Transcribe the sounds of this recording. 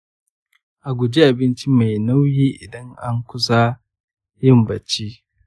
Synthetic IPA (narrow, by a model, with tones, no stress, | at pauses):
ʔa˨ɡʷʊ˨d͡ʒi˦ʔa˨bɪ˦nt͡ʃi˦ma˨jna˦wjiː˦ʔɪ˨dɐ˦ŋʔa˦ŋkʷʊ˦sa˦ | jɪ˦mbɐ˨t͡ʃi˦